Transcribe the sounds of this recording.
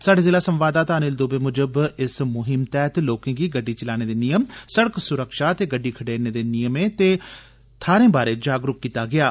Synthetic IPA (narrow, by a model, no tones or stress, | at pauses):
saːɖeːzeːlaːsə̃mʋaːd̪aːt̪aːnɪld̪oːbeːmʊd͡ʒəbɪsmʊɦɪmt̪ɛːt̪loːkɪ̃ŋɡiːɡəɖːiːt͡ʃɪlaːneːd̪eːnɪjəmsəɽəksʊɾəkʃaːt̪eːɡəɖːiːkʰəɖeːɾneːd̪eːnɪjəmẽːt̪eː | t̪ʰaːɾẽːbaːɾeːd͡ʒaːɡɾʊk̚kːiːt̪aːɡɪaː